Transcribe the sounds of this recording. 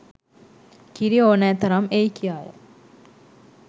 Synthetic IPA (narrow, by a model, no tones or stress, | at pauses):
kiɾioːnæːt̪ɐɾamejkijaːjə̰